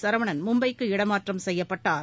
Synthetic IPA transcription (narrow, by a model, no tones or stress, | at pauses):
sɐɾɐʋɐɳɐnmʊmbɐɪkːɯɪɽɐmaːʈrɐmsɛjːɐpːɐʈːaːɾ